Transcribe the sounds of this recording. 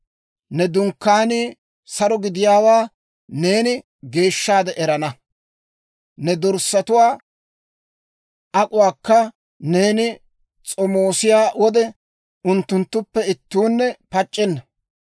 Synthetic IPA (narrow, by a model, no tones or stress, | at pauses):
nɛd̪ʊŋkːaːnɪ | sɐɾɔɡɪd̪ɪjaːwaː | ne̞ːnɪ | ɡe̞ːʃːaːd̪ɛʔɛɾɐnɐ | nɛd̪ɔɾsːɐt̪ʊwaː | ʔɐkʼʊwaːkːɐ | ne̞ːnɪ | t͡sʼɔmoːsɪjaːwɔd̪ɛ | ʊnt̪ːʊnt̪ːʊpːɛɪt̪ːuːnːɛpɐt͡ʃʼːɪnːɐ